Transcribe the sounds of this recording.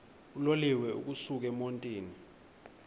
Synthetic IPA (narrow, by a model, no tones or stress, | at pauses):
uloliwɛṵk̬usuk̬ɛmontʼiːni